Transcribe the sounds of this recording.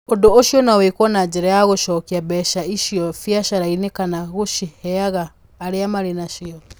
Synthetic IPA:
odooʃiɔnawekwɔnaɲd͡ʒeɾajaɣoʃɔːkiabɛʃaiʃiɔfjaʃaɾainekanaɣoʃihɛaɣaː | ɾeamaɾenaʃiɔ

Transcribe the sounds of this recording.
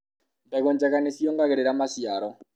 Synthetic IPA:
ndaɣoɲd͡ʒaɣanesjɔŋɡaɣeɾeɾamasjaɾɔ

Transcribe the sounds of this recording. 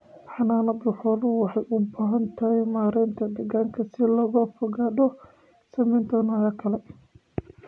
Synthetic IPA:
ħɑnaːnɐd̪ʊħɔlʊwɑħɑjʔʊbaːɦɐnt̪ʰɐɦɛjmaːɾɛːnt̪ʰɐɖɐɣaːŋkʰɐsɪlɐɣɔfɔɣaːdɔ | sɐmɛjnt̪ʰɔnɐːjɐkʰɐlɛ

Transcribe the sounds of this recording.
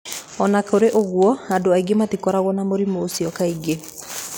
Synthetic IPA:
ɔnakoɾeʔoɣwɔandoaiɡematikɔɾaɣwɔnamoɾimoːsiɔkaiɡe

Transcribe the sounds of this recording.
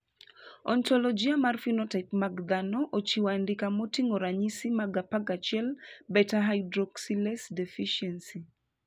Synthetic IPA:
ɔntɔlɔd͡ʒiamarfinɔtɛkmaɡd̪anɔʔot͡ʃiwandikamɔtiŋoɾaɲisimaɡapaɡat͡ʃɪɛlbɛtaɦajdɾɔksilɛsdefiʃɛnsi

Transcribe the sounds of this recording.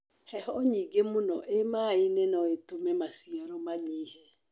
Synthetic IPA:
hɛhɔɲiːɡemonɔʔemaːinɛnɔetomɛmasiaɾɔmaɲiːhɛ

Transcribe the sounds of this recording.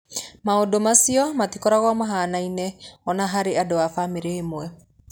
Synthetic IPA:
maodomasiɔmatikɔɾaɣwamaɦanainɛɔnaɦaɾeadowafameɾeːmoɛ

